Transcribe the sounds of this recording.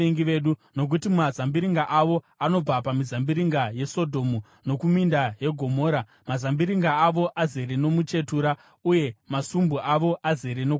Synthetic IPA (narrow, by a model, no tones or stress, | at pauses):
eŋɡiʋe̞ːɗuno̞k̬utimazambiɾiŋɡaʔaʋo̞ | ano̞b͡vapamizambiɾiŋɡaje̞so̞dʱo̞mu | no̞kumindaje̞ɡʱo̞mo̞ːɾa | mazambiɾiŋɡaːʋo̞ʔaze̞ɾeno̞mut͡ʃe̞tuːɾa | uje̞masumbuʔaʋo̞ʔaze̞ɾeno